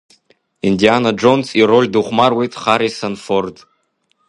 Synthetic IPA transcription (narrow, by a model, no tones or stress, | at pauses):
indianad͡ʒonsirolʲduχʷmarwe̞jtʼχaɾisanford